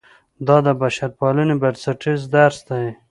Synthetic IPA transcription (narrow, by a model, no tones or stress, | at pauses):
d̪ɑd̪əbaʃaɾpɑlənebaɾsaʈizd̪aɾsd̪aj